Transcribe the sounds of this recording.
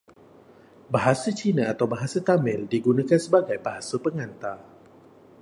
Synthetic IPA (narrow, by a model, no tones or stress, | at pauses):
baɦasat͡ʃinaat̪awbaɦasat̪amɪ̃ldiɡunãkansəbaɡajbaɦasapəŋãnt̪a